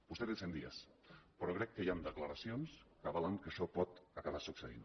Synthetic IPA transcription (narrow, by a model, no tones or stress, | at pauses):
b̥ust̪eðesend̪ia̰s | pəɾɔkɾɛkːəjamd̪əklaɾasjonskaβalaŋkəʃɔpɔt̪akaβasukseḭn